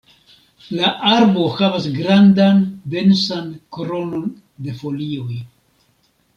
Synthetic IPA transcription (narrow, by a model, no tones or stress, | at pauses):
laʔaɾbo̞havasɡɾandande̞nsankoɾo̞no̞n | de̞fo̞lio̞j